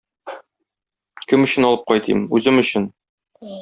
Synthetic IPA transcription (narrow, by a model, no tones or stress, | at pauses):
kɘmɵ̆ɕɘ̆nɒlˠɤp̚qɒjt̪ʰḭmʉzɘmɵ̆ɕɘn